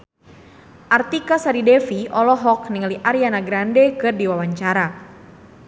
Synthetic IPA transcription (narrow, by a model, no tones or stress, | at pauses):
ʔart̪ikasaɾidɛfiʔɔlɔɦɔk̚niŋaliʔaɾianaɡɾandɛkɨrdiwawaɲt͡ʃaɾa